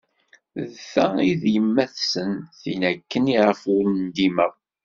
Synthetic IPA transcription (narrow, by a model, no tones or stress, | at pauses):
ðθæiðjəmːæθsənθinækːəniʁəfʊɾnd̪imæ